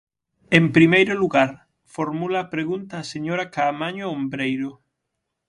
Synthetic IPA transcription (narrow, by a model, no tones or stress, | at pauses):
empɾimejɾʊluɣaɾ | foɾmulaːpɾeɣunt̪aːseɲoɾɐkaːmaɲoombɾejɾʊ